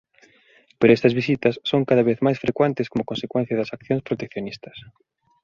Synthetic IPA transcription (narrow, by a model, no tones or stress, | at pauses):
peɾoɛst̪ɐzβis̬it̪ɐsːoŋkaðɐβeθmajsfɾekwent̪ɪskomokõnsekwɛn̟θjɐðɐsakθjõŋspɾot̪ekθjonist̪ɐ̥s